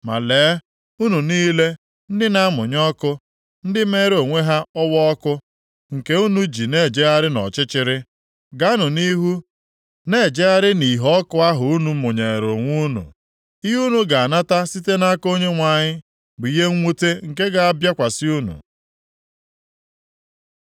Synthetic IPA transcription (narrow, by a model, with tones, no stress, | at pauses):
ma̰˨leː˨˦ | u˦nu˨niː˦le˦ | n̩˦dɪ˦na˦mʊ˨ɲɔ˦kʊ˦ | n̩˦dɪ˦me˦ɾo˨ŋʷe˦ɦa˦ɔ˦wɔ˦ɔ˦kʊ˦ | ŋ̩˨ke˦u˦nu˦d͡ʒi˨ne˦˨d͡ʒe˦a˦ɾɪ˦nɔ̰˨t͡ʃɪ˦t͡ʃɪ˦ɾɪ˦ | ɡa˦nʊ˨ni˦ɦu˦ | ne˦˨d͡ʒe˦a˦ɾɪ˦ni˨ɦɔ˦kʊ˦a˦ɦʊ˨u˦nu˨˦mʊ˨ɲe˨ɾo˨ŋʷu˦nṵ˨ | i˦ɦu˦nu˨ɡa˨a˨na˦ta˦si˦te˦na˦ko˦ɲe˦ŋʷa˨ɲɪ˦ | bʊ˨i˦ɦe˦ŋ̩˦ŋʷu˦te˦ŋ̩˨ke˦ɡa˨a˦bja˦kʷa˨sɪ˦u˦nṵ˨